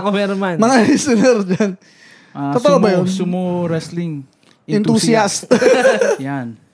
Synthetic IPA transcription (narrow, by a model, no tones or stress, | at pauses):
komɛɾomanmɐŋaɾɛsɪnɛɾd͡ʒan | t̪ot̪oʔobɐjonsʊmoɾɛslɪŋ | ʔɪnt̪usjast̪jan